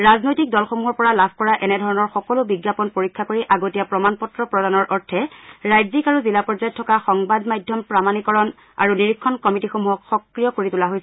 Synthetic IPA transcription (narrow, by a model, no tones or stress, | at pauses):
ɹaznojtik̚dɔlxomuɦɔɹpɔɹalabʱkɔɹaʔɛnɛdʱɔɹɔnɔɹxɔkɔlʊbiɡjapɔnpoɹikʰːakoɹiʔaɡotijapɹɔmanpɔtɹɔpɹɔdanɔɹʔɔɹtʰɛɹajzikaɹuzilapɔɹzajɔtʰːɔkaxɔŋbadmajdʱjɔmpɹamanikɔɹɔn | a̰ɹuniɹikʰːɔnkɔmitixomuɦɔkxɔkɹijɔkoɹitulaɦojs